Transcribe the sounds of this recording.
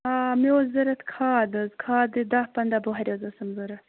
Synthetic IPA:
aːmiozzɐɾɐt̪kʰaːd̪ɐzkʰaːd̪ɨd̪ahpɐnd̪aːboɦɐɾʲjozɐsɐmzɐɾɐ

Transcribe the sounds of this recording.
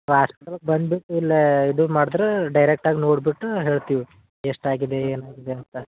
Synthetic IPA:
ɦaːspi̥ʈɐlɐɡ̚bɐnd̪biʈːuilːɐid̪umaːɽd̪ɾeɖɐjɾek̚ʈaːɡinoːɽbiʈːuɦe̞ːɭt̪iːʋi | eʂʈaːɡid̪eeːnaːɡid̪eɐnt̪ɐ

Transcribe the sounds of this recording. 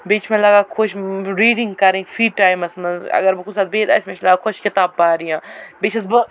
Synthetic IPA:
beːt͡ʃʰmẽlɐɡaːkʰoʃɾiːɖĩŋɡkɐɾẽfʰiːʈaːjmɐsmɐzɐ̰ɡɐɾbɨkʊsaːt̪̚beːd̪a̰ːsʲmet͡ʃlɐɡakʰoʃkɪt̪aːb̚ːaːɾijãːbeːt͡ʃʰɐs̬bɨ

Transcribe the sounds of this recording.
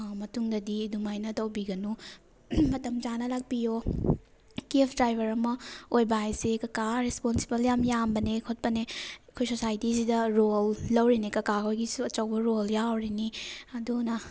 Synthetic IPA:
mɐtuŋdɐdidumajnɐtɐwbiɡɐnu | mɐtɐmd͡ʒanɐlak̚pijo | kepʰdɾajbʱɐɾɐmɐojbaajsekɐkaɾesponsibɐljamjambɐnekʰot̚pɐnekʰojsosajtisidɐɾolːɐwɾinikɐkakʰojɡisuɐt͡ʃɐwbɐɾoljawɾiniɐdunɐ

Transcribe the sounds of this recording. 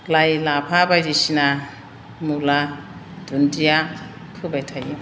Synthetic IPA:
lajlapʰabajd͡ʒisina | mulad̪̥ʱuntija | pʰɯbajtʰaju

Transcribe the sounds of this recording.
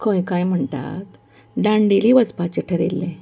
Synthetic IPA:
kʰɔ̃jkajm̤əɳt̪a̰t̪ | ɖãɳɖiliːʋəd͡zpat͡ɕeʈʰəɾḛlːẽ

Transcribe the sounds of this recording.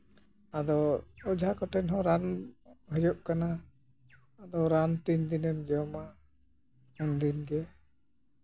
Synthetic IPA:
ad̪ɔɔd͡ʒʱakɔʈɛnɦɔ̃ɾanbʱəd͡ʒɔʔkanaː | d̪ɔɾant̪iɲd̪inɛnd͡ʒɔma | und̪inɡɛ

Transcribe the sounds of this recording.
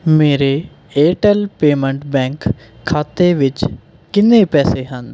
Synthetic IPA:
meːɾe | eːʈɛlpeːmə̃ɳʈbɛ̃ːŋkʰː | aːt̪eʋɪt͡ʃ | kɪnːepɛːseɦən

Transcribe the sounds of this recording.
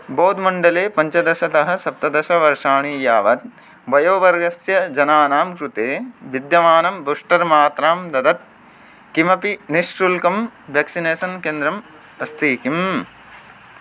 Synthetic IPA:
boːd̪mɐɳɖɐleːpɐɲt͡ʃɐd̪ɐʃɐt̪ɐɦɐ̆sɐp̚t̪ɐd̪ɐʃɐʋɐɾʂaːɳiːjaːʋɐt̪̚ | bɐjoːʋɐɾɡɐsjɐd͡ʒɐnaːnaːmkɾut̪eːʋid̪jɐmaːnɐmbɾuʂʈɐɾmaːt̪ɾaːmd̪ɐd̪ɐt̪̚ | kimɐpiniʃʈɾulkɐmʋeːksineːsɐnkeːnd̪ɾɐm | ɐst̪ʰiːkim

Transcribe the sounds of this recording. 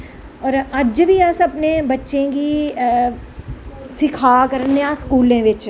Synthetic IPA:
ɔːɾɐd͡ʒbʱiɐsɐpnebɐtːʃẽki | sɪkʰakɐɾneaskuːlẽʋɪt͡ʃ

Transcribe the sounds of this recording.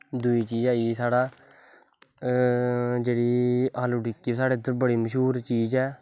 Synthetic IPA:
d̪ʊiːt͡ʃiːd͡ʒaːisaːɽaː | d͡ʒeːɽiːaːloːɖɪkːiːsaːɽeːd̪əɾbəɽiːməʃɦuːɾt͡ʃiːd͡ʒɛː

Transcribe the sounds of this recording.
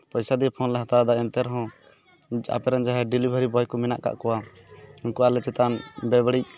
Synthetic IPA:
pəjsad̪ipʰɔnlɛɦat̪ad̪aɛnt̪ɛɾɔɦɔ̃ | a̰pɛɾand͡ʒaɦɛɖilibʱəɾibɔjkɔmɛna̰ʔka̰ʔkɔwa | inkɔalɛt͡ʃɛt̪anbɛbɽic̚

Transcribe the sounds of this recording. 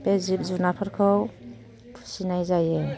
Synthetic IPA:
pezip̚zunapʰɔɾkʰɔw | tʰu̥sinajzaje

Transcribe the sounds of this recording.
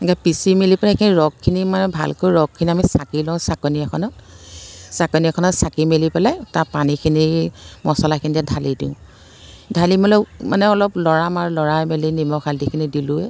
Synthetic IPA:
ɡapisimilipɛlɛkʰiniɹɔkʰːinimanɛbʱa̰lkojɹɔɡ̚kʰːiniamisakilɔ̃sakɔniakʰɔnɔt̚ | sakɔniɛkʰɔnɔtsakimelipɛlatapanikʰinimɔsɔlakʰinitadʱalidḭʊ̃ | dʱalimɔlɔmanɛɔlɔplɔɹamaɹulɔɹamelinimɔxʰaldikʰinidilʊɛ

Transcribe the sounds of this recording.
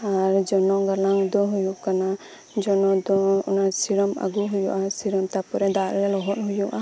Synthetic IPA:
aɾd͡ʒɔnɔɡalaŋd̪ɔɦujuʔkana | d͡ʒɔnɔd̪ɔṵnasiɾɔma̰ɡuɦujuʔasiɾɔmt̪apɔɾɛd̪aɾjɛlɔɦɔnɦujuʔa

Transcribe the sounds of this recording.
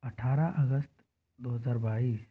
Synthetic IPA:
ɐʈʰaɾaʔəɡəst̪ | d̪oɦəzaːɾbaiːs

